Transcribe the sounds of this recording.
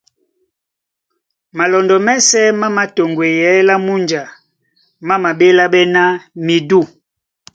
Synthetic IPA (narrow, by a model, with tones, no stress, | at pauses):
ma˨lɔ˨ndɔ˨mɛ˦sɛ˦ma˦ma˨to˨ŋɡwe˨jɛ˨˦la˦mu˦nd͡ʒa˨ | ma˦ma˨be˦la˦ɓɛ˦na˦mi˨du˦˨